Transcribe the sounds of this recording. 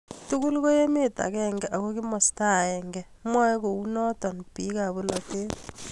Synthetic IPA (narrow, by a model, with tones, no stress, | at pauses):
tu˦ku˦lko˦je˦me˦ta̰˨kɛ˦ŋɡɛʔa˨ko˦ki˦mɔ˨sta˦˨ɛ˨ŋɡɛ | mwa˦ko˨u˦nɔ˦tɔ˨npi˨˦ka˨bu˦lɔ˨te˦t